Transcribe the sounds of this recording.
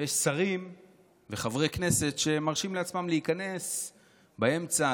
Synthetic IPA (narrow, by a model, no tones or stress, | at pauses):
jeʃsaʁim | ve̞χavʁekne̞se̞tʃemaʁʃimleat͡smamleikane̞s | bae̞mt͡sa